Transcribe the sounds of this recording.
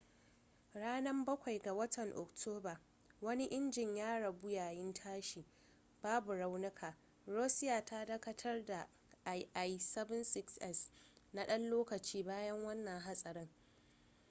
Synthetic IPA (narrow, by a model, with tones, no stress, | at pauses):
ɽaː˦nɐ˦mbɐ˦kʷa˨jɡa˨wɐ˦tʰɐ˨ŋʔɔ̰˨ktʰoː˦baː˨ | wɐ˦ni˦ʔɪ˦nd͡ʒɪ˨ɲjaː˦ɽɐ˨bʊ˦jaː˨jɪ˦ntʰaː˦ʃiː˨ | b̥aː˦bu˨ɽa˦wnɪ˦kʰaː˨ | ɽoː˦sɪ˦jaː˨tʰa˦dɐ˦kɐ˦tʰɐ˦rda˨ | ʔa˨jʔa˦˨jsɐ˦bɐ˦nsɪ˦ksɛ˦sna˦ɗɐ˦nloː˦kɐ˨t͡ʃiː˦baː˦jɐ˦ŋwɐ˦nːɐ˨ŋɦa˦sʼɐ˨ɾɪ˦ŋ